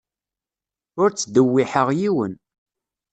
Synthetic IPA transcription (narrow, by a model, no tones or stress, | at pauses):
ʊɾt͡sːd̪əwːiħəʁjiwən